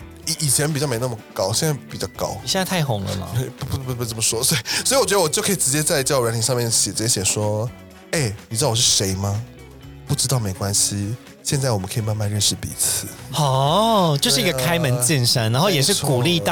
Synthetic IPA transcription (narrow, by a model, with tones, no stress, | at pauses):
i˨i˨˩t͡ɕʰjɛ˧˦npi˨˩t͡ɕɑ˥˩me˧˥n˥˩mə˨˩kɑ˥ʊɕjɛ˥˧nt͡sa˥˩ɪpi˨˩t͡ɕɑ˥˩ʊkɑ̰˦˥ʊ˨jɛ˥˧na˥˧ɪa˥˩ɪxʊ˨˧˥ŋlə̰˧˩mɐ̰˨e˥˩ɪppu˥˩pe˥˩t͡sə˥˩mə˩ʂwɔ˥sɔ˧˥i˨˩swɔ˥i˨wɔ˨t͡ɕɥd̪ə˥wɔ˨˩t͡ɕo˥ʊkʰə˥i˨˩ʈ͡ʂɻ̩˧˦t͡ɕjɛ˥t͡sa˥ɪt͡ɕɑ˥˩˧ɻə˧˥nt̪i˧˥ʂɑ˥˧mjɛ˥˩nɕjɛ˨˩ɨ˧˥t͡ɕjɛ˥ɕjɛ˨˩ʂwɔ˦ | e˥˩ɪni˨˩ɻ̩˧˥˩wɔ˨˩ʂɻ̩˥˨ʂe˨˧˥ɪma˦ | pu˥˩ʈ͡ʂɻ̩˥t̪ɑ˥˩ʊme˧˥ɪkwa˦nɕi˦ | ɕjɛ˥˧nt͡sa˥˩ɪwɔ˨˩mə˦kʰi˨˩ma˥˧nma˥˧nɻə˥˧nʂɻ̩˥˩pḭ˨t͡s̩ʰ˨˦ɔ˨˥t͡ɕjo˥˧ʂɻ̩˥˩˧ɡə˧kʰa˥ɪmə˨˧˦nt͡ɕi˥˧nʂa˥na˧˦nxo˥˩ʊjɛ˨˩ʂɻ̩˥˩ku˨˩li˥˧t̪ɑ˥˨